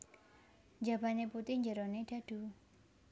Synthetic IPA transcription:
ɲd͡ʒab̥aneput̪ɪhɲd͡ʒəɾɔned̥a̤d̥u

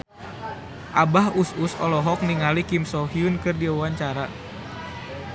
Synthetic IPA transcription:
ʔabahususɔlɔɦɔk̚niŋalikimsɔɦiunkɨrdiawaɲt͡ʃaɾa

